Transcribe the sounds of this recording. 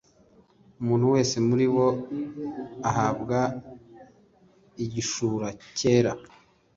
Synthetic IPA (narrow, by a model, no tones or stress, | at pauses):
umuːnhuwe̞ːse̞muɾiwo̞ | aɦabɡa | iɟiʃuːɾace̞ːɾa